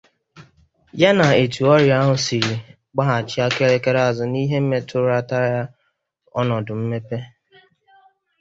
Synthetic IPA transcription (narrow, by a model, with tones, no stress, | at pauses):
ja˦na˨e˨tu˨ɔ˦ɾja˦ɦʊ˨si˨ɾi˨ | ɡ͡ba˦ɦa˨t͡ʃɪ˦a˦ke˦ɾe˦ke˦ɾe˦a˨zʊ˨ni˦ɦe˦m̩˦me˦tʊ˦ɾa˦ta˦ɾa˦ja˦ | ɔ˦nɔ˨dʊ˨m̩˦me˦pe˦